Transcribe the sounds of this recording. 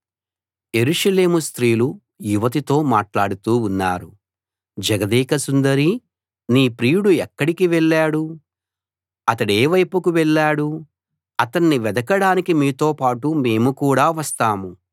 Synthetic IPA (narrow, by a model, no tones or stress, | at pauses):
je̞ɾuʂɐle̞ːmust̪ɾiːlu | juʋɐt̪it̪o̞ːmaːʈlaːɽut̪uːunːaːɾu | d͡ʒɛɡɐd̪iːkɐsund̪ɐɾi | niːpɾiːjuɽuɛkːɐɽikiʋɛɭːaːɽu | ɐt̪ɐɽeːʋɐjpukuʋɛɭːaːɽu | ɐt̪ɐnːiʋɛd̪ɐkɐɽaːnikimiːt̪o̞ːpaːʈume̞ːmukuːɽaːʋɐst̪aːmu